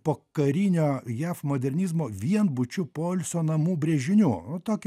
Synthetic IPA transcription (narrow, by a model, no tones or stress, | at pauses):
poːkɐɾʲinʲoːjæːfmoːd̪ʲɛɾʲnʲiːzmoːʋʲiɛnbʊt͡ʃʲʊpoːlʲsʲoːnɐmuːbʲɾʲeːʒʲɪnʲuːnʊt̪oːkʲɪ